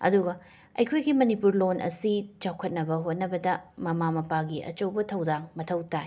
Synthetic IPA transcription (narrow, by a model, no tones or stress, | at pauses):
ɐ̰duɡɐ | ɐjkʰojɡimɐnipuɾlonʔɐ̰sit͡ʃawkʰɐt̚nɐbɐɦot̚nɐbɐdɐmɐmamɐpaɡiʔɐ̰t͡ʃɐwbɐtʰɐwdaŋmɐtʰɐwtaj